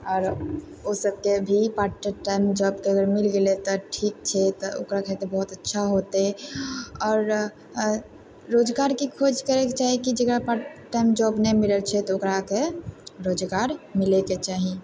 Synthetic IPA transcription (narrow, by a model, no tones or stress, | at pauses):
ɔːɾ | osəb̚kebʱipaʈəʈajmd͡ʒɔb̚keəɡəɾmilɡelet̪ɔʈʰik̚t͡ʃʰɛt̪ɔo̰kɾakʰɛt̪ebɔɦut̪ətːʃʰaɦot̪e | ɔːɾ | od͡ʒɡaɾkikʰod͡ʒkəɾeket͡ʃaɦikid͡ʒəkɾapaʈʈːajmd͡ʒɔbnɛmiləlt͡ʃʰɛt̪ɔokɾakeɾod͡ʒɡaɾmileket͡ʃaɦi